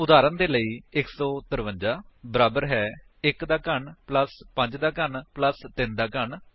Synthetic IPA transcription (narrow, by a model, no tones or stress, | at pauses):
ʊd̪aːɾənd̪eːləiːɪksɔːt̪əɾʋə̃ɲd͡ʒaːbəɾaːbəɾɦɛː | ɪkd̪aːkəɳpləspə̃ɲd͡ʒd̪aːkəɳpləst̪ɪnd̪aːkəɳ